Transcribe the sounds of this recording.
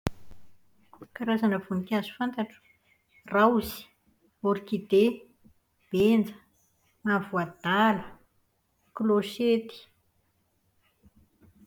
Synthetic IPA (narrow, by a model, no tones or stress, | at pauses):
kaɾazanəvunikazu̥fant̪aʈ͡ʂu̥ | rauzi̥ | oɾikid̪e | b̥end͡zə̥ | mavuad̪alə | kloʃet̪i̥